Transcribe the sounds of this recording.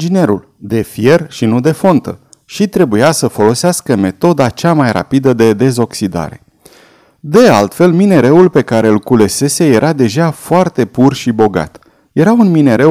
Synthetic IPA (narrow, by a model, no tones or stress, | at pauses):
ind͡ʒine̞ɾul | d̪e̞fije̞rʃinud̪e̞fo̞nt̪ə̰ | ʃit̪ɾe̞bujasəfo̞lo̞seaskəme̞t̪o̞d̪at͡ʃamajra̰pid̪əd̪e̞d̪e̞zo̞ksid̪a̰ɾe̞̰ | d̪e̞alt̪fe̞lmine̞ɾe̞wulpe̞kaɾe̞ulkule̞se̞se̞je̞ɾʔad̪e̞ʒafoart̪e̞purʃibo̞ɡa̰t̪ | je̞ɾaunmine̞ɾe̞